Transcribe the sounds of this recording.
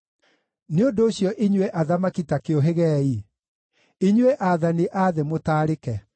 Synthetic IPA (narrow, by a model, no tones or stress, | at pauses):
neondoːɕjɔʔiɲweʔaðamakitakeoɦeɣɛːi | iɲweʔaːðaniʔaðemotaːɾekɛ